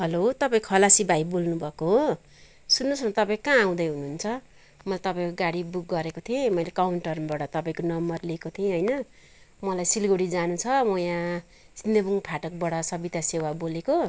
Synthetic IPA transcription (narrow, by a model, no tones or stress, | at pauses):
ɦʌlot̪ʌpaĩkʰʌlasibʱajbolnubʱʌkoɦo | sunːosnʌt̪ʌpãĩkãːw̃d̪ʌjɦunuːnt͡sʰʌ | mʌlajt̪ʌpãĩkoɡaɽibuk̚ɡʌɾekot̪ʰiẽmʌjlekawɳʈʌrbʌɽʌt̪ʌpaĩkonʌmbʌrlikot̪ʰiẽɦʌjnʌ | mʌlajsilɡoɽid͡zanut͡sʰʌmʌjã | sind̪ebuŋpʰaʈʌk̚bʌɽʌsʌbit̪asewaboleko